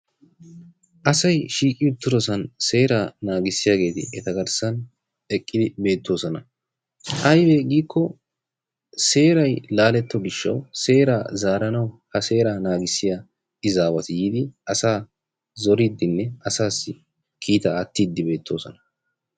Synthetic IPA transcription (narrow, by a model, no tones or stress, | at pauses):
ʔɐsɐjʃiːkʼɪjʊt̪ːʊɾɔsɐnse̞ːɾaːnaːɡɪsːɪjaːɡe̞ːt̪ɪ̰ɛt̪ɐɡɐɾsɐn | ɛkʼːɪd̪ɪbe̞ːt̪ʰːo̞ːsɔnɐ | ʔɐjbeɡiːkʰːɔ | se̞ːɾɐjlaːlɛt̪ːɔɡɪʃːɐ̰wse̞ːɾaːzaːɾɐnɐwhɐse̞ːɾaːnaːɡɪsːɪja | ɪzaːwɐt̪jiːd̪ɪʔɐsaː | zɔɾiːd̪ːɪnːɛɐsaːsːɪ | kʰiːt̪ɐːt̪ːiːd̪ːɪbe̞ːt̪ːo̞ːsɔnɐ̥